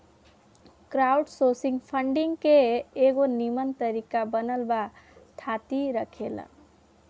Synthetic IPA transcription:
kɾauɖsosiŋɡpʰəɳɖiŋɡkeːɡonimənt̪əɾikabənəlba | t̪ʰat̪iɾəkʰelə̰

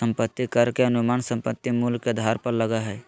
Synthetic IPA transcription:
ə̃mpət̪ːikəɾkeənumaːnsə̃mpət̪ːimulɡkːed̪ʱaɾpəɾləɡaɦɛː

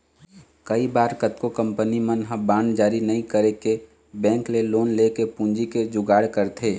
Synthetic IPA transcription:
kəibaːɾkət̪kokəmpənimənɦə̃bãːnd͡ʒaːɾinəĩkəɾeke | bɛ̃ːŋkleloːnlekepũːnd͡ʒiked͡ʒʊɡaːɽkəɾt̪ʰeː

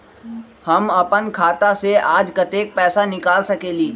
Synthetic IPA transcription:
hɐmɐpənkʰaːt̪aseaːd͡ʒkɐt̪eːk̚pɛːsanɪkaːlsɐkeːliː

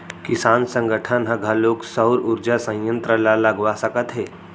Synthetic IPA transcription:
kɪsaːnsə̃ŋɡəʈʰənɦəɡʱaloːksəʊɾʊɾd͡ʒasə̃jə̃nt̪ɾəlaləɡʋasəkət̪ɦeː

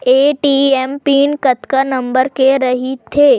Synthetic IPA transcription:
eʈiempinkət̪kənəmbəɾkeɾəɦit̪ʰːe

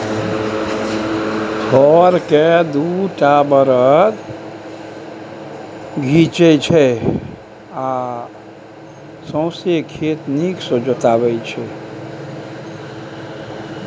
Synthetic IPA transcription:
tʰɔɾked̪uʈabəɾət̪ | ɡʱit͡ʃɛt͡ʃʰɛ | a | sə̃ʊsekʰet̪niksod͡ʒət̪abɛt͡ʃʰɛ

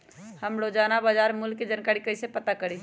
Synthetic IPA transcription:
həmɽod͡ʒanabəd͡ʒaɾmulked͡ʒankaɾikəɪsepət̪akəɾi

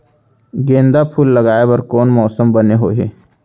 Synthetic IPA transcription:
ɡẽːnd̪apʰuːlːəɡaːebɐɾkɔːnmɔːsəmbəneɦoːɦeː

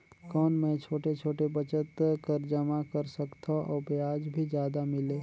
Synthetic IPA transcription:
kɔːnmẽt͡ʃʰoːʈet͡ʃʰoːʈebət͡ʃət̪kəɾd͡ʒəmakəɾsəkt̪ʰaʔɔːbjaːd͡ʒbʱid͡ʒjaːd̪amɪleː

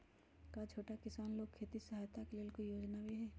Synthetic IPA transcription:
kat͡ʃʰoːʈakɪsaːnloːɡ̚kʰeːt̪isɐɦaːjt̪akeleːlkojoːd͡ʒnabʱiɦɛː

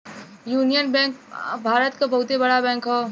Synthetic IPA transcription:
juːnijənbɛ̃ːŋk̚bʱaːɾət̪kabɐɦʊt̪ebɐɽabɛ̃ːŋkɦoː

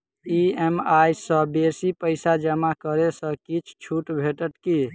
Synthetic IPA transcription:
iemajsə̃besipəɪsad͡ʒəmakəɾesə̃kit͡ʃʰt͡ʃʰuʈbʱeʈəʈki

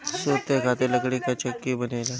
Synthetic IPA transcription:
soːt̪ekʰaːt̪elɐkɽikat͡ʃɐkːibɐnela

